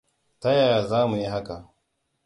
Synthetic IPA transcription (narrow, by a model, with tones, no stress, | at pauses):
ta˦jaː˨zaː˦mu˨ji˦ɦa˦ka˨